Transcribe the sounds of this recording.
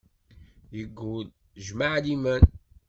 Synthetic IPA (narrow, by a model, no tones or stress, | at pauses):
jəɡːul | ʒmaʕd̪imæn